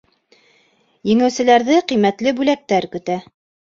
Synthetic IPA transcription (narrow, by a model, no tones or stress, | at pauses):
jɘ̆ŋɘ̆wsɘ̆læɾðɘqijmæt̪lɘbʉlæk̚t̪æɾkɵ̆t̪æ